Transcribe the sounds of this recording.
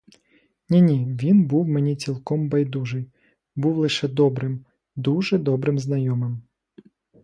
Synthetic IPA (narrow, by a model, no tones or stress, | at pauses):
nʲinʲiʋʲinbuwmenʲit͡sʲilˠkɔmbɐjd̪uʒɪj | buwlˠɪʃɛd̪ɔbɾɪm | d̪uʒɛd̪ɔbɾɪmznɐjɔmɪm